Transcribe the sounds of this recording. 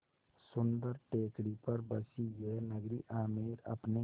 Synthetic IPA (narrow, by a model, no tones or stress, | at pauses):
sʊnd̪əɾʈeːkɽipəɾbəsiɡenəɡɾiʔaːmiːɾɐ̰pne